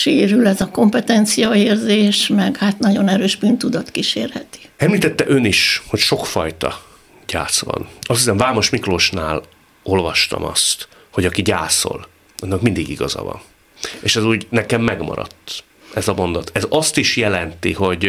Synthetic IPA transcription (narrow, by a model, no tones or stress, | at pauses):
ʃeːɾylɛzɒko̞mpɛt̪ɛnt̪sijɒeːrzeːʃmɛɡhat̪nɒɟo̞nɛɾøːʒbyːnt̪ud̪ɒt̪kiʃeːrhɛt̪i̥ɛmliːt̪ɛt̪ːɛʔøniʃho̞cʃo̞kfɒjt̪ɒ | ɟ̥a̰ːt̪sʋɒ̰nɒsisɛmvaːmo̞ʃmikroːʃnaːl | o̞lvɒʃt̪ɒ̰mɒ̰st̪ | ho̞ɟɒkiɟaːso̞̰l | ʔɒnːɒkmind̪iɡiɡɒzɒ̰vɒ̰n | eːʃɛzuːɟnɛkɛmːɛɡmɒ̰ɾɒ̰t̪ː | ɛzɒmo̞nd̪ɒt̪ʰɛzɒst̪iʃjɛlɛnt̪iho̞ɟ